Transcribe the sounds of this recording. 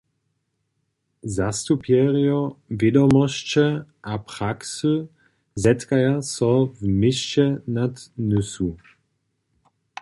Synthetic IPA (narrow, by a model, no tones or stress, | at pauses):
zast̪upjɛʁjɔvjɛdɔmɔɕt͡ɕɛʔapʁ̥aksu | zɛtkajasɔvmɪʃt͡ʃɛnat̪nʏsu